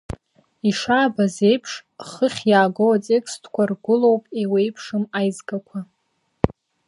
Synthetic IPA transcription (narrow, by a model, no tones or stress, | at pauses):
iʂaːbaze̞jpʰʂχəχʲjaːɡowat͡sʼekstʰkʷʰarɡʷʊlo̞wpʼewe̞jpʰʂɨmajzɡʼakʷʰa